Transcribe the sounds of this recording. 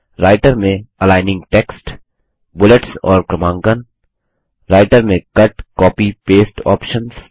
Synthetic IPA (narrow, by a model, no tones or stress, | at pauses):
ɾaːɪʈəɾmẽɐlaːɪnɪ̃ŋɡʈɛːksʈ | bʊləʈsɔːɾkɾɐmãːŋɡən | ɾaːɪʈəɾmẽkɐʈkɔːpipeːsʈɔ̰ːpʃə̃ns